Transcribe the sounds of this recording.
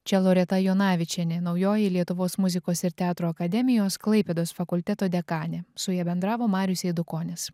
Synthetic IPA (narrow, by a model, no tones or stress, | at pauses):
t͡ʃʲɛlˠoːɾʲɛt̪ɐjoːnɑːʋʲɪt͡ʃʲɛnʲenɒʊjoːjɛlʲiɛt̪ʊʋoːsmʊzʲɪkoːsɪɾt̪ʲɛɑːt̪ɾoːɐkɐd̪ʲɛmʲɪjoːsklˠɐɪpʲɛd̪oːsfɐkʊlʲt̪ʲɛt̪oːd̪ʲɛkɑːnʲesʊjɛːbʲɛnd̪ɾɑːʋoːmɑːɾʲjʊsʲɛɪd̪ʊkoːnʲɪs